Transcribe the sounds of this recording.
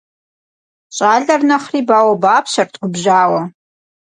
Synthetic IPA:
ɕʼaːɮɐrnɐχriːbaːwɐbaːpʰʃɐrtʰɡʷʊbʒaːwɐ

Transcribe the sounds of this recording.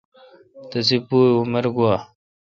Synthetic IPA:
t̪ɐs̬ipuːuməɾɡuwaː

